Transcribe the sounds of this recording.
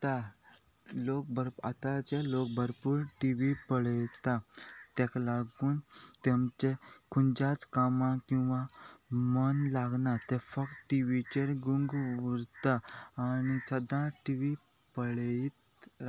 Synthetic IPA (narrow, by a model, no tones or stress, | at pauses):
t̪a | lok̚bəɾa̰t̪at͡ɕelok̚bəɾpuːɾʈiʋipəɭjt̪at̪ɛ̃klaɡuːnt̪emt͡ɕekʰund͡ʑat͡skamãkĩw̃ʋamənlaɡnat̪efək̚t̪ʈiʋit͡ɕeɾɡuŋɡʋuɾt̪aːñisəd̪ãʈiʋi | pəɭit̪